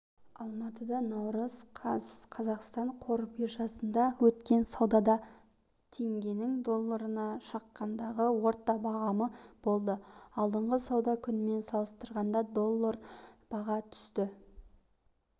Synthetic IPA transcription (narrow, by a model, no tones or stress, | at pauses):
ɑlˠmɑt̪əd̪ɑnɑwɾəzqʰɑzɑqst̪ɑɴqʰo̞ɾbiɾʒɑsənd̪ɑwɵt̪kʲe̞nsɑwd̪ɑd̪ɑ | t̪ʰe̞ŋɡʲe̞nɪŋd̪o̞lˠːaɾənɑʃɑqːɑnd̪ɑʁəwo̞ɾt̪ːɑbɑʁɑməb̥o̞lˠd̪əɑlˠd̪əɴʁəsɑwd̪ɑkʲʰʏnɪme̞nsɑlˠəst̪əɾʁɑnd̪ɑd̪o̞lˠːaɾb̥ɑʁɑt̪ʰʏ̥st̪ɪ